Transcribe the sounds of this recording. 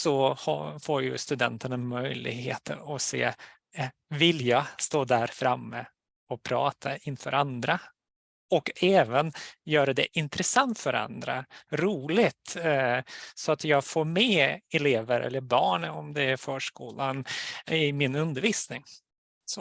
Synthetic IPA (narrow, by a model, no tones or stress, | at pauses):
sɔhɑ̰foːɾjɵst̪ɵd̪ɛ̰nt̪əɳamœjlɪ̰ɡɦḛːt̪ʰə̰ɾɔsḛː | vɪljɑːst̪oːd̪æɾfɾamːə | ɔpʰɾɑːt̪ʰaɪnfœ̰ːɾand̪ɾa | ɔkɛːvənjœːɾad̪ɛ̰ʔɪnt̪ɾɛsant̪fœɾa̰nd̪ɾa̰ɾuːlɪt̪ | sɔat̪jɑːɡfoːɾmɛɛleːvəɾʔɛ̰lːəɾbɑːɳɔmd̪ɛæɾfœːʂkuːlanɪmɪnɵnd̪əɾviːsnɪŋ | sɔ